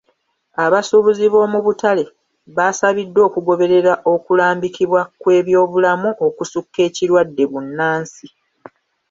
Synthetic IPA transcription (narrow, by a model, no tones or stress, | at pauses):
aβasuβuziβo̞muβutale̞ | βasaβidːo̞ːkuɡo̞βe̞ɾe̞ɾaʔo̞kulaːmbikiβwakwe̞ːβjo̞ːβulamuʔo̞kusukːe̞ːciɾwadːe̞βunːaːnsi